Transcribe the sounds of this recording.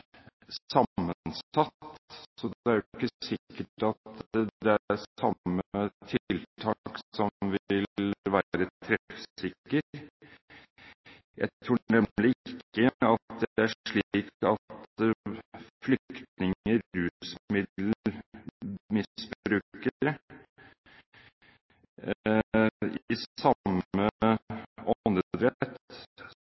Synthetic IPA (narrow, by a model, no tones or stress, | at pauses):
sɑmːənsɑt̪sɔd̪ɛæɾjʊɪkːəsɪkːəʈɑt̪d̪ɛæɾsɑmːət̪ʰɪlt̪ʰɑːksɔʋɪɪllʋæɾət̪ʰɾɛfsɪkːəɾ | jʔæ̰ɪt̪ʰɾuːnɛmlɪɪkːəɑt̪d̪ɛæʂɭiiːkɑt̪ | flʏkt̪nɪŋəɾʉːsmɪd̪l̩ | mɪsbɾʉːkəɾ | ɪsɑmːə | ɔnəd̪ɾɛt̪ː